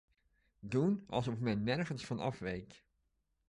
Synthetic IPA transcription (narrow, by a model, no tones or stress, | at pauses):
dunɑ̰lˠsɔfmɛnːɛrχənsfɑnɑ̰fʋejk